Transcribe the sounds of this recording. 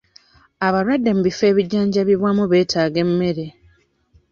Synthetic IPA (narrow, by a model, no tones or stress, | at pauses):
aβalwadːe̞muβife̞ːβiɟːaːɲɟaβiβwaːmuβeːtaːɡe̞mːe̞ɾe̞